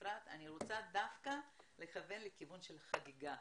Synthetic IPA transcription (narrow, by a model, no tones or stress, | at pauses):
ʁat̪a̰niʁot͡sadafkale̞χave̞nlekivunʃe̞lχaɡiɡa